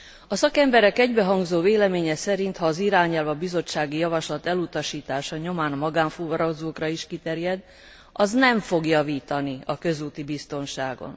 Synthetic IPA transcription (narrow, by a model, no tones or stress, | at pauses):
ɒsɒkɛmbɛɾɛkɛɟbɛɦɒŋɡzoːveːlɛmeːɲɛsɛɾint̪hɒːziɾaːɲɛlvɒbizo̞t͡ʃːaːɡijɒvɒʃlɒt̪ɛlut̪ɒʃiːt̪aːʃɒɲo̞maːnmɒɡaːɱfuvɾɒɡzoːkrɒiʃkit̪ɛɾjɛd̪ | ɒznɛɱfo̞ɡjɒviːt̪ɒniɒkø̞zuːt̪ibist̪o̞nʃaːɡo̞̰n